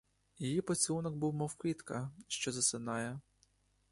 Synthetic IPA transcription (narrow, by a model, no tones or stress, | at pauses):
jijipɔt͡sʲlunɔɡbuwmɔwkʋʲit̪kɐʃt͡ʃɔzɐsɪnɑjɛ